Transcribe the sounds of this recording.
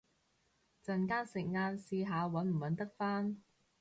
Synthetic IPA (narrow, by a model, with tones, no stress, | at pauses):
t͡sɐ˨nkaː˥nsɪ˨˩k̚ŋaː˧nsiː˧ɦaː˨˧wɐ˨˥nm̩˨˩wɐ˨˧nt̪ɐ˥k̚faː˥n